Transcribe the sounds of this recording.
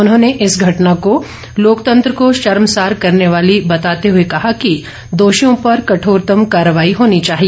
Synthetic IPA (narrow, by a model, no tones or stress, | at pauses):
ʊnɦõːneʔɪsɡʱɐʈnako | loːkt̪ɐ̃nt̪ɾəkoʃɐɾmsaːɾkɐɾneʋaːlibɐt̪aːt̪eɦʊekɐɦaki | d̪oːʃijõpɐɾkɐʈʰoːɾt̪əmkaːɾəʋaːiɦoːnit͡ʃaːɦie